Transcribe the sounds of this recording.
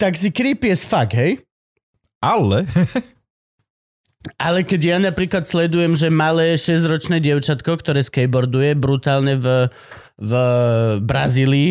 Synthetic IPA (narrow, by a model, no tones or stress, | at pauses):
t̪aks̬ikɾiːpɪɛsfaɡɦɛj | ʔalɛ | ʔalɛkɛɟjanapɾiːklat̪slɛd̪ujɛmʒɛmalɛːʃɛzɾɔt͡ʃnɛːɟɪɛʊt͡ʃat̪kɔkt̪ɔɾɛːskɛjbɔɾd̪ujɛbɾut̪aːlɲɛv | v | bɾaziːliː